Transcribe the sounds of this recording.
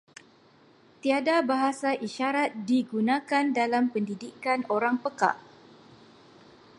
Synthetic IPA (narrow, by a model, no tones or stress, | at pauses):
t̪iadabaɦasaʔiʃaɾat̪̚diɡunãkandalampəndidikanoɾaŋpəka̰ʔ